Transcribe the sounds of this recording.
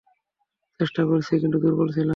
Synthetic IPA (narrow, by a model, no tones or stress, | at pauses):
t͡ɕeʃʈakoɾt͡ɕʰikint̪ud̪uɾbolt͡ɕʰila